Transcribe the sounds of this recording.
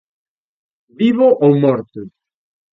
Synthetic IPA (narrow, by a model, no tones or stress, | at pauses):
biβoʔowmɔɾt̪ʊ